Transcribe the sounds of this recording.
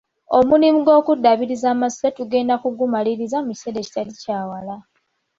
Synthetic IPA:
omulimuɡo̞ːkudːaβiɾizaːmasetuɡe̞ːndakuɡumaliɾizamuci̥se̞ɾe̞ci̥talicaːwala

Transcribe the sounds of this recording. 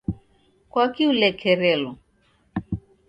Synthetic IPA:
kwakiulɛkʰɛɾɛlɔ

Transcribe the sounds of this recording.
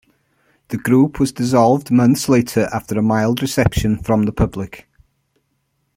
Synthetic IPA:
ðəɡɹuˑpʰwɒzdɪzɒlˠvdmʌ̃nθsleɪtʰəɹʔaftəɹəmaɪlˠdɹɪsɛpʃə̃nfɹə̃mðəpʰʌblɪk

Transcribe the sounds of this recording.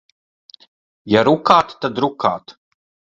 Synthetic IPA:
jaɾukaːt̪t̪ːad̪ɾuka̰ːt̪

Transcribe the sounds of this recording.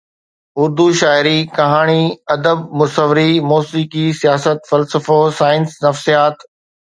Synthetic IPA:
ʊɾd̪uʃaːɪɾikɐɦaːɽ̃iɐd̪əb̚mʊsəʋɪɾimoːsiːkisijaːsət̪fɐlsəfosaːɪnsnɐfsijaːt̪

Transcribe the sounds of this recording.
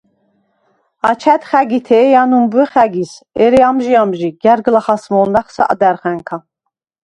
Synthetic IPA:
at͡ʃʰæt̪χæɡit̪ʰɛːjanumbɛχæɡis | ɛɾɛamʒiamʒiɡæɾɡlaχasmɔlnaχsa̰ʔa̰d̪æɾχæŋkʰa

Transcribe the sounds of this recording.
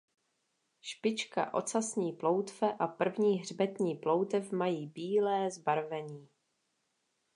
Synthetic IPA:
ʃpɪt͡ʃka̰ʔo̞̰t͡sasɲiːplo̞wt̪fɛʔapr̩vɲiːɦrbɛt̪ɲiːplo̞wt̪ɛfmajiːbiːlɛːzbaɾvɛɲiː

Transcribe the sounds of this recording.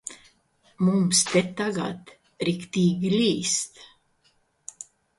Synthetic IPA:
mumst̪ɛt̪ːaɡat̪ | ɾɪkt̪iɡliːst̪

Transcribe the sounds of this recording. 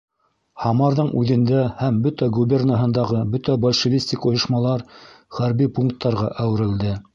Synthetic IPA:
hɑmɑɾðɤɴʉðɘ̆nd̪æhæmbɵt̪æɡubʲernaɦɤ̆nd̪ɑʁɤbɵt̪æbolʲʃɘ̆vʲisʲt̪ʲikŏjɤ̆ʃmɑlˠɑɾ | χæɾbipuŋkt̪ːɑɾʁɑʔæwɘ̆ɾɘ̆ld̪ɘ

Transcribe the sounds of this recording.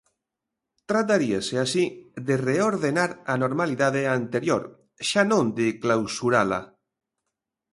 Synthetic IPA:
t̪ɾat̪̬aɾiaseasiðereoɾðenaɾanoɾmaliðaðeant̪eɾjoɾ | ʃanõnd̪eklawsuɾala̰

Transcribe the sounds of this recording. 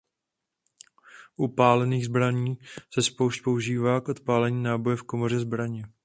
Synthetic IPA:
ʔupaːlɛniːɣzbɾaɲiːsɛspowʃcpo̞uʒiːvaːkʔo̞t̪paːlɛɲiːnaːbo̞jɛfko̞mo̞r̝ɛzbɾaɲɪ

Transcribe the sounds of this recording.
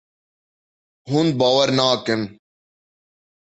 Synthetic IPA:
ɦund̪̚baːwəɾnaːken

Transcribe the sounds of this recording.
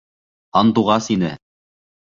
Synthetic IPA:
ɑnt̪uʁɑsinɘ̰

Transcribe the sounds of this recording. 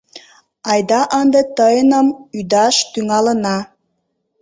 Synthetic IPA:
ɑjd̪ɑʔənd̪ət̪əjənəmyd̪ɑʃt̪yŋɑlə̆nɑ

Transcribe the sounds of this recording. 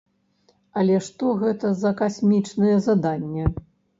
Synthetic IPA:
ɐlʲɛʂt̪ɔɣɛt̪ɐzɐkasʲmʲit͡ʂnɨjɛzad̪anʲːɛ

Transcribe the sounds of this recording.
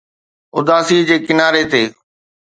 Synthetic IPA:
ʊd̪aːsid͡ʑeːkɪnaːɾet̪eː

